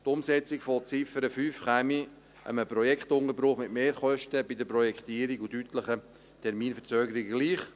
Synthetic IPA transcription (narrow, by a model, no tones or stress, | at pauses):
tʊmsɛt͡sɪkfot͡sɪfəɾəfyːfχæmi | ʔə̰məpɾɔjɛkχtʊŋəɾbɾʊχmɪtmeːɾχœʃtəbɪdəpɾɔjɛktiːəɾiɡutyːtləχə | tʰɛɾmiːnfəɾt͡søːɡəɾiɡəɡ̥liːχ